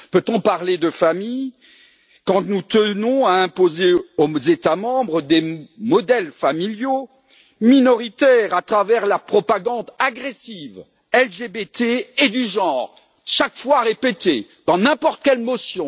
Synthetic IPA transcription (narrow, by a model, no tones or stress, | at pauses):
pøt̪ɔ̃paʁled̪əfamij | kɑ̃nut̪ənɔ̃aɛ̃pozeozet̪amɑ̃bʁəd̪emɔd̪ɛlfamiljo | minɔʁit̪ɛʁat̪χavɛʁlapχɔpaɡɑ̃d̪aɡʁesiv | ɛlʒebet̪eːd̪yʒɑ̃ʁ | ʃakfwaʁepet̪e | d̪̥ɑ̃nɛ̃pɔʁt̪̚kʲɛlmɔsjɔ̃